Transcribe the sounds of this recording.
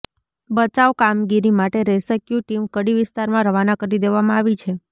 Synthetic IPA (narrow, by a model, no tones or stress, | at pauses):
bət͡ʃaʋkamɡiɾimaʈeɾɛsəkjuʈimkəɽiʋɪst̪aɾmãɾəʋanakəɾid̪eʋamãaʋit͡ʃʰe